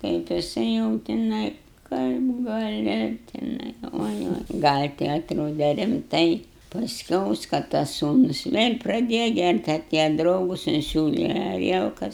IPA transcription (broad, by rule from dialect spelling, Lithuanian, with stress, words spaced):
kɐɪp jɪˈsɐɪ jɛʊ tʲɪˈnɐɪ ˈkɐɪp ɡɐˈlʲɪ tʲɪˈnɐɪ kɐ ˈoːɪ ˈoːɪ ɡɐlʲ tʲɪ ɐtˈroːdʲɛ rʲɪmˈtɐɪ pɐsʲˈkʲɛʊs kɐ tɐs ˈsuːnʊs ˈʋʲeːlʲ prɐˈdʲeːjɛ ˈɡʲærʲtʲ ɐˈtʲeːjɛ ˈdrɐʊɡʊs ɪnʲˈsʲuːlʲɛ ɐˈrʲiɛlˠkɐs